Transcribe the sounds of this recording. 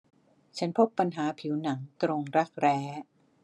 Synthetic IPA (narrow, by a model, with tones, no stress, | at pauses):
t͡ɕʰa˦˥npʰo˦˥pːa˧nɦaː˩˦pʰi˩˦wna˩˦ŋt̪ɾo˧ŋɾa˦˥k̚ɾɛː˦˥